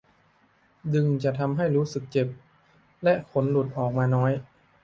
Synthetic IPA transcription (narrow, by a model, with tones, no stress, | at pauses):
dɯ˧ŋt͡ɕa˨˩t̪ʰa˧mɦa˥˩jɾuː˦˥sɯ˨˩k̚t͡ɕe˨˩p̚ | lɛ˦˥ʔkʰo˩˦nlu˨˩t̪̚ʔɔː˨˩k̚maː˧nɔː˦˥j